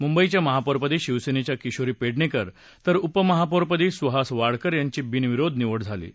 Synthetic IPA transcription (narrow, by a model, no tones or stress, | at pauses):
mumbəit͡ɕjaməɦapoɾpəd̪iːɕiʋsenet͡ɕjakiɕoɾiːpeɽnekəɾ | t̪əɾupəməɦapoɾpəd̪iːsʋəɦasʋaɽkəɾjaɲt͡ɕiːbinʋiɾod̪ʱniʋəɽd͡zʱalḭː